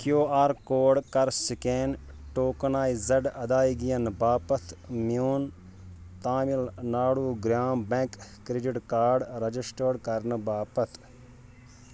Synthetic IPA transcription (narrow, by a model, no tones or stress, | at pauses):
kjoːaːɾkoːɖkɐɾsikeːn | ʈoːknaːizɐɖɐd̪aːiɡijɐnbaːpɐt̪ʰmijuːn | t̪aːmilnaːɽuːɡɾjaːmbẽkː | ɾeɖiʈkaːɾɖɾɐd͡ʒisʈəːɖkɐɾnɨbaːpɐt̪ʰ